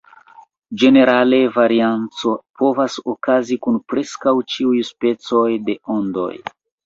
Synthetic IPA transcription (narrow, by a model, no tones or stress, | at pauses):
d͡ʒe̞ne̞ɾale̞vaɾiant͡so̞po̞vasokazikunpɾe̞skawt͡ʃiujspe̞t͡so̞jde̞ondo̞̰j